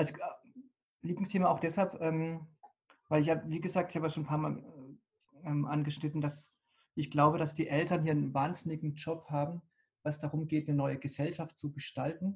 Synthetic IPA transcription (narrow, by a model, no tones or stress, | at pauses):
ʔalzo | liːplɪŋstʰeːmaʔaʊxd̥ɛshalpʔɛːm | vaɪlɪçaːbviːɡəzaːk̚tɪçhaːbəaʃoːnpʰaːɐma̰ːl | ɛːmʔanɡəʃnɪtn̩d̥as | ʔɪçɡ̥laʊbədasd̥iːʔɛltɐnhiːɐnnvaːnzɪnɪɡŋ̩d͡ʒɔphaːbm̩ | vasd̥aʁʊmɡeːtnənɔʏəɡəzɛlʃaftt͡suɡəʃtaltn̩